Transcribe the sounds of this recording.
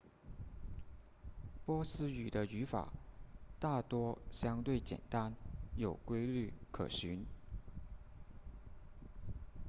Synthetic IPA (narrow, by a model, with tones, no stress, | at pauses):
pwɔ˥sɹ̩˥y˨˩d̪ə˦y˧˥fa̰˨˩˦t̪a˥˩t̪wɔ˥ɕjɑ˥ŋt̪we˥˩ɪt͡ɕjɛ̰˨˩nt̪a˥njo˨˩ʊkwe˥ɪly˥˩kʰɤ̰˨˩ɕy˧˥n